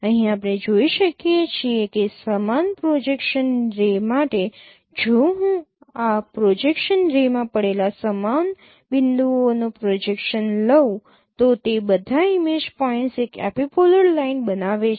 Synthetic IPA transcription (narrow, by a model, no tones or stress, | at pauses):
əɦĩapɽ̃ed͡ʒoiʃəkjet͡ʃʰiekesəmanpɾod͡ʒekʃənɾemaʈe | d͡ʒoɦũapɾod͡ʒekʃənɾemãpəɽelasəman | bɪnd̪ʱuonopɾod͡ʒekʃənlə | t̪ot̪ebəd̪ʱaimed͡ʒpɔinʈsekɛ̰pipoləɾlainbənaʋe